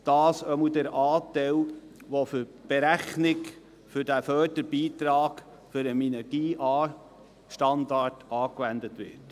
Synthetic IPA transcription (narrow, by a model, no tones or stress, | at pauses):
d̥ɑːsœmədæɾɑːtɛɪlʋofʏɾb̥eɾæχnɪk | fʏɾdæfœːɾdəɾb̥iːtɾɑːɡ | fʏɾəminɛɾɡ̥iːʔɑː | ʃtɑndɑrtɑːkʋændətʋɪ̰t